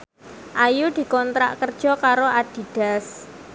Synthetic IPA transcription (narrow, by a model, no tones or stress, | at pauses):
ʔajud̪̥i̤kɔnt̪ɾa̰ʔkərd̥ʒ̥ɔ̤kaɾoʔad̪̥i̤d̥a̤s